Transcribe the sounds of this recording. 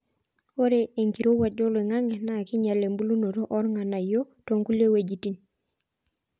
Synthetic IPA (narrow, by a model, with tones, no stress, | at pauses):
o˦ɾe˦e˨ŋki˨ɾo˦wa˨d͡ʒo˦le˨ŋa˦ŋɛ˨na˦˨ki˦ɲa˨le˨mbu˦lu˦no˨ɾo˦ʔɔ˦ɾŋa˨na˨jo˦to˨ŋku˦le˦we˨d͡ʒi˨ti˦n